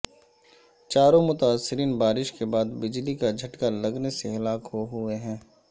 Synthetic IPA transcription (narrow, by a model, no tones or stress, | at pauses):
t͡ʃaːɾõmʊt̪aːsːɪɾiːnbaːɾɪʃkebaːd̪bɪd͡ʒlikad͡ʒʱɐʈkalɐɡneseɦɐlaːkɦoɦʊeɦɛ̃ː